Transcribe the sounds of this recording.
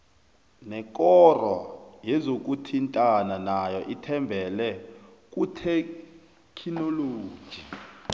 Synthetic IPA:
nɛkʼɔrɔjɛzok̬ʼutʰintʼananajɔʔitʰɛmbʱɛlɛ | kʼutʰe | kʰinoloːd̥ʒ̥ʱi

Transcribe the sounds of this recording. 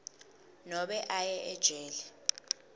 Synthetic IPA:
nɔɓɛʔajɛʔɛd̥ʒ̥ʱɛːlɛ

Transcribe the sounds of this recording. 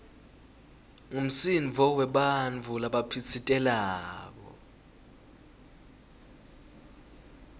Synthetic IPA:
ŋum̩sinvʱɔwɛɓanvʰʱulaɓapʰit͡sʰitʼɛlaːk̬ɔ̰

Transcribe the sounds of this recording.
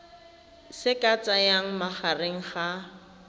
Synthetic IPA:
sɪkʼat͡sʼajaŋ̩maχareŋ̩χa

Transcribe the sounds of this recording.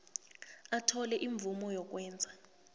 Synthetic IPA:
atʰɔlɛʔiɱb̪vumɔjɔk̬ʼwɛːnd͡zʱa

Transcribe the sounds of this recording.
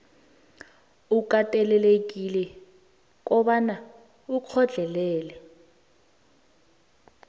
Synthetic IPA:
ukʼatʼɛlɛlek̬ʼilɛ | k̬ʼɔɓana | uq͡χʰɔd͡ɮʱɛlɛːlɛ

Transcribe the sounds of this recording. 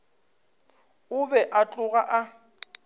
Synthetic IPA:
ʊbɛʔat͡ɬʼʊɣaʔa

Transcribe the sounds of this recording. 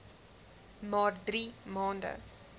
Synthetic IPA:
mɑːdɾiːmɑːndə̰

